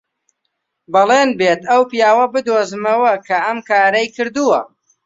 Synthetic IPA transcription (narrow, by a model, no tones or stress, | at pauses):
bɐlˠeːnbeːt̪ɐwpijaːwɐbɨd̪oːzɨmɐwɐkʰɐɐmkʰaːɾɐjkɨɾd̪uwɐ̰